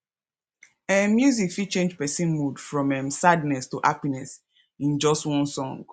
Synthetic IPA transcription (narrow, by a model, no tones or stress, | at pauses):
ɛmjuzikfit͡ʃẽnd͡ʒpɛsĩnmudfɹɔ̃mɛ̃msadnɛstuʔapinɛs | ĩnd͡ʒɔstwɔ̃nsɔ̃ŋɡ